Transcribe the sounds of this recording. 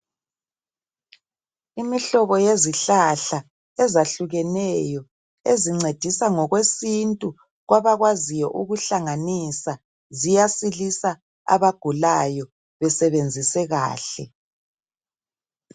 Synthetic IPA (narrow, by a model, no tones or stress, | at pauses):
imiɬɔβɔjeziɬaɬa | ɛzaɬuɣɛnɛjɔ | eziŋ͡ǀed̥ʱisaŋɔɣwesintʼu | ɣwaβaɣwazijɔ̰ʔuɣuɬaŋanisa | zijasilisa | a̰βaɡ̥ʱulajɔ | βɛsɛβend͡zʱisɛɣa̰ːɬɛ